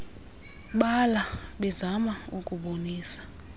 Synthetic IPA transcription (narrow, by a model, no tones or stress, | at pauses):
ɓalaɓɛzamaukʼuɓoniːsḁ